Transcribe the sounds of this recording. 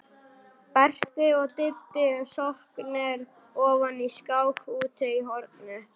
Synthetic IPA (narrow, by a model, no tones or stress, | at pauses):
pɛr̥t̪ɪɔɣt̪ɪlt̪ɪsɔhknɛɾ | ɔːvaniskawxuːt̪ɪiɦɔɾt̪nʏ